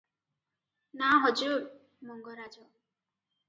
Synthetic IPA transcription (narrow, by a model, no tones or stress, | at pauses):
naɦɔd͡ʒuɾ | mɔŋɡʌɾad͡ʒɔ